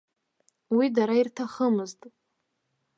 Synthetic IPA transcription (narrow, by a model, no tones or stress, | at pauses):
widaɾairtʰaχəmɨztʼ